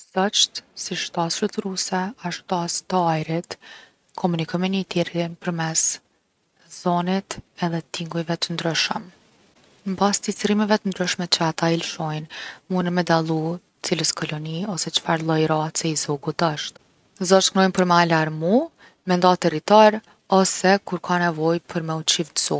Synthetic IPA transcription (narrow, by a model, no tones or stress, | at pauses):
z̥ɔt͡ʃt̪siʃt̪asʃət̪ɾusɛaʃt̪ast̪ajɾit̪ | kʰɔmunikʰɔjmɛnət̪iɾimpəɾmɛs | zɔnit̪ɛðɛt̪iŋɡujvɛt̪ənd̪ɾyʃəm | mbast̪it͡sɾimɛvɛt̪ənd̪ɾyʃmɛt͡ɕəat̪ailʃɔjnmunəmɛd̪alˠu | t͡siləskɔlɔniɔsɛt͡ʃfaɾlˠɔjɾat͡sɛizɔɡut̪əʃt̪ | zɔʃt̪knɔjnpəɾmɛalaɾmu | mɛnd̪at̪ɛrit̪aɾ | ɔsɛkuɾkʰanɛvɔjpʰəɾmɛut͡ʃift̪z̥ɔ